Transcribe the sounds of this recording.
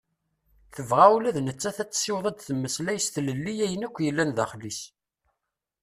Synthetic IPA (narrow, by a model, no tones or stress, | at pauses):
θəvʁawlæðnət͡sːæθæt͡sːsɪwðˤæd̪θəmːəslæjəst̪ləlːijæjənækʷːjəlːænðæχlis